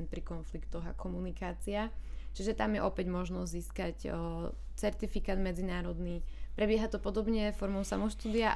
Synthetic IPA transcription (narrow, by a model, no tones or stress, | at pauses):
npɾikɔnflikt̪ɔɣa̰kʰɔmunikaːt͡siat͡ʃiʒɛt̪amjɛ̰ʔɔpɛɟmɔʒnɔzziːskac | t͡sɛɾt̪ifikaːd̪mɛd͡zinaːɾɔd̪nipɾɛbɛɦat̪ɔpɔd̪ɔbɲɛfɔɾmɔʊsa̰mɔʃt̪uːd̪ia